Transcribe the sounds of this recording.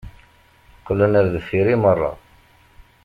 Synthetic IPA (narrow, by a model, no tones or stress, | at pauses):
qːəlːənæɾðəfiɾimərˤːɑ̰